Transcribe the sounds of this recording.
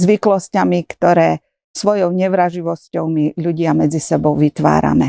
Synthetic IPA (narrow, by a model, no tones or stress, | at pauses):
zʋiklɔscamikt̪ɔɾɛː | sʋɔjɔʊɲɛʋɾaʒiʋɔscɔʊmiʎuɟɪamɛd͡zisɛbɔʊʋit̪ʋa̰ːɾa̰mɛ